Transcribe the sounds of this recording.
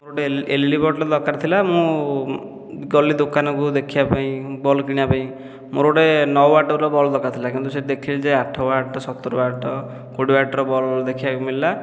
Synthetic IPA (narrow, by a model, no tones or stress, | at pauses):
moɾoʈeelilibɔʈɾɔd̪ɔkaɾt̪ʰilamũ | ɡɔlid̪okanɔkud̪ekʰiapaĩbɔlɔkiɽ̃ĩapaĩ | moɾoɽenɔwaʈɔɾɔbɔlɔd̪ɔkat̪ʰilakĩnt̪used̪ekʰild͡ʒeaʈʰɔaʈɔsɔt̪ːɔɾɔaʈʰɔ | koɽibaʈɔɾɔbɔld̪ekʰibakumilila